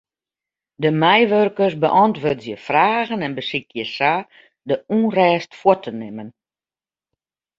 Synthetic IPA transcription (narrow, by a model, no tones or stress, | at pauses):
dəmɛjʋørkərsbəʔɔntʋøːtjəfraːɣənɛnbəsikjəsa | dəuːnrɛːstfwɔtʰənɪmən